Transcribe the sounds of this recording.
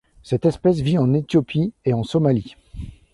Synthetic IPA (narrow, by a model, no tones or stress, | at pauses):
sɛt̪ɛspɛs̬viɑ̃net̪jɔpʰieɑ̃sɔmali